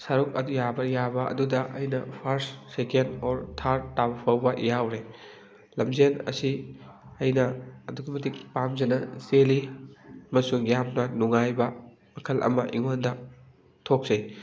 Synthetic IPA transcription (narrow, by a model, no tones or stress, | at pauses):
sɐɾuk̚ɐdujabɐjabɐʔɐ̰dudɐʔɐjnɐpʰɐɾssekendoɾtʰaɾtːawpʰɐwbɐjawɾe | lɐmzenɐ̰siɐjnɐːduɡɐmɐtikpamzɐnɐseliɐmɐsuŋjamnɐnuŋajbɐ | mɐkʰɐlʔɐ̰mɐʔḭŋondɐ | tʰok̚z̥ɐj